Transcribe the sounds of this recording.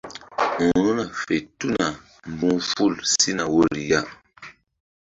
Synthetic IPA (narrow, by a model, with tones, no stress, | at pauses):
ũ˨nu˦na˨fe˨tu˦na˨ | m˨bu˦fu˦˨lsi˦na˨wo˦ɾi˨ja˦